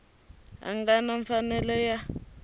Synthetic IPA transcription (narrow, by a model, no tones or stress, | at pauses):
a̰ŋɡanaɱfanɛlɛja